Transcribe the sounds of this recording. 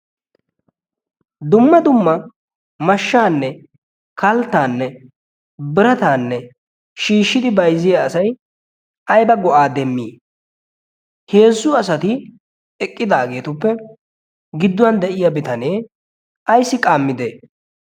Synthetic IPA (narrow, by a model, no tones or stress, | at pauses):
d̪ʊmːɐd̪ʊmːɐ | mɐʃːaːnːɛ | kʰɐlt̪ːaːnːɛ | bɪɾɐt̪aːnːɛ | ʃiːʃːɪd̪ɪbɐjzːɪjaːsɐj | ɐjbɐɡɔʔaːd̪ɛmːiː | heːsːʊɐsɐt̪ɪ | ɛkʼːɪd̪aːɡe̞ːt̪ʊpːɛ | ɡɪd̪ːʊwɐnd̪ɛʔɪjabɪt̪ɐneː | ɐjsːɪkʼaːmːɪd̪eː